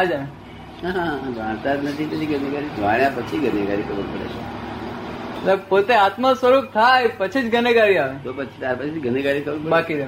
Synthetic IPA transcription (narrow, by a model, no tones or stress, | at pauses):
ɦad͡ʒa | ɦaɦãd͡ʒʱʋãɽ̃t̪ad͡ʒnət̪ʰit̪ət͡ʃ̪iɡəneɡaɾid͡ʒʋaɽ̃japət͡ʃʰiɡəneɡaɾikʰəbəɾpəɽḛt͡ʃʰe | epot̪eat̪masʋəɾup̚t̪ʰajpət͡ʃʰid͡ʒɡəneɡaɾiaʋet̪opət͡ʃʰi̥t̪aɾpət͡ʃʰiɡəneɡaɾikʰəbəɾpəbakid̪e